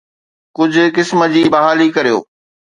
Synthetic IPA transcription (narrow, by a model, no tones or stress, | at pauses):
kʊd͡ʑʱʊ̆kɪsməd͡ʑiːbɐɦaːlikɐɾijo̰ː